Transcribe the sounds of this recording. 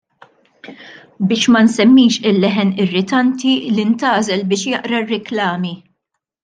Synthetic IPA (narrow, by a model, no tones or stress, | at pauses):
bɪːʃmɐnsɛmːiːʃɪlːɛħɛnɪrːɪt̪ɐnt̪ilɪnt̪ɐːzɛlbɪːʃjɐʔɾɐrːɪklɐːmi